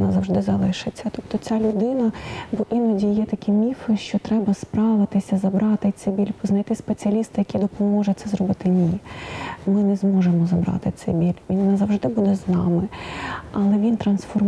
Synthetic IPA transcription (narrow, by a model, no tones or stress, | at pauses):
nazɐwʐd̪ɪzɐlˠɪʃɪt͡sʲːɐt̪ɔpt̪ɔt͡sʲalʲʊd̪ɪnɐbɔʔinɔdʲijɛt̪ɐkʲimʲifɪʃt͡ʃɔt̪ɾɛbɐspɾɑʋɪt̪ɪsʲɐzɐbɾɑt̪ɪt̪sɛbʲilʲpɔznɐjt̪ɪspet͡sʲiɐlʲist̪ɪjɐkʲid̪ɔpɔmɔʒɛt̪sɛzɾɔbɪt̪ɪnʲi | mɪnɛzmɔʒemɔzɐbɾɑ̰t̪ɪt̪sɛbʲilʲʋʲinnazɐwʐd̪ɪbud̪ɛznɑmɪɐlˠɛʋʲint̪ɾɐnsfɔr